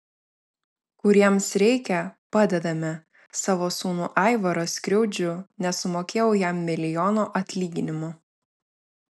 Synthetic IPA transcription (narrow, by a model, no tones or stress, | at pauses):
kʊɾʲiɛmsɾʲɛɪkʲɛpɑːd̪ʲɛd̪ɐmʲɪ | sɑːʋoːsuːnuːʔɑˑɪʋɐɾoːsʲkʲɾʲɛʊd͡ʒʲʊnʲɛsʊmoːkʲeːjɛʊjæˑmːʲɪlʲɪjɔːnoːʔɐt̪ʲlʲiːɡʲɪnʲɪmʊ